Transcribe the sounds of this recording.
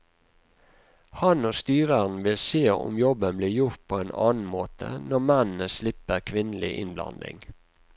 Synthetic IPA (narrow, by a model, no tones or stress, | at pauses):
hɑnoːst̪yːɾəʁn̩ʋɪlseːʊ̰mjɔbənbliːʁjʊʁt̪̚pʰoːeːnɑ̰ːnn̩moːt̪ʰə̰nɔmɛnn̩əslɪpəkʰʋɪnlɪʔɪnblɑ̰nd̪ɪ̰ŋ